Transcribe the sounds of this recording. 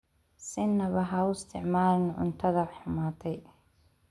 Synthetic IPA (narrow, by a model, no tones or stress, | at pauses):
sɪnːɐβɐɦɐʊɪst̪ʰɪʕmaːlɪnʕʊ̰nt̪ʰɐðɐħʊmaːt̪ʰɛj